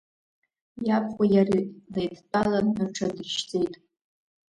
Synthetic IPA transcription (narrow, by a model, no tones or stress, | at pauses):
japʰχʷajarilejdʰtʼalanaʈ͡ʂʰadɨʃt͡sʼejtʼ